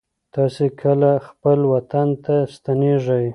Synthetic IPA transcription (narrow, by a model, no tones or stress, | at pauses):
t̪ɑsekʰəlaxpəlwat̪ant̪ast̪aneʐəj